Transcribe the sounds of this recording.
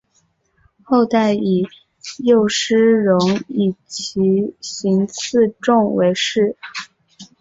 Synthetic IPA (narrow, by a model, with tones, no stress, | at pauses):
xo˥˧ʊt̪a˥˩ɪi˨˩ | jo˥˩ʊʂɻ̩˥ɻʊ˧˥ŋi˨˩t͡ɕʰi˧˥ɕi˧˥ŋt͡s̩ʰ˥˧ʈ͡ʂʊ˥˩ŋwe˧˥ɪʂɻ̩˥˩